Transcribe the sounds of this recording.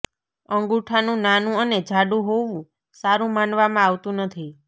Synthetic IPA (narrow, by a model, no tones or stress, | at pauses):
əŋɡuʈʰanũnanũəned͡ʒʱaɖũɦoʋũ | saɾũmanʋamãaʋt̪ũnət̪ʰi